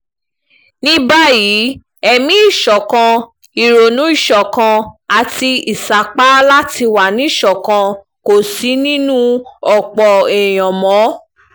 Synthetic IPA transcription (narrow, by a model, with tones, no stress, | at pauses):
nĩ˦ba˦ji˨˦ | ɛ˧mĩ˨˦i˦˨ʃɔ˨kã˧ | i˨ɾo˨nũ˨˦i˦˨ʃɔ˨kã˧a˨ti˧i˨sa˨k͡pa˦la˦ti˧wa˨nĩ˨˦i˦˨ʃɔ˨kã˧ | ko˨si˨˦nĩ˦nũ˦ɔ˨k͡pɔ˨ɛ˨j̃ɔ̃˨mɔ̃˨˦